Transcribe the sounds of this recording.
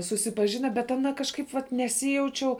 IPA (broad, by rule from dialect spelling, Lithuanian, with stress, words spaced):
sʊsʲɪpɐˈʒʲɪnɐ bʲɛt ɐˈnɐ kɐʃˈkɐɪp ʋɐt nʲɛˈsʲɪjɛʊt͡ʃʲɛʊ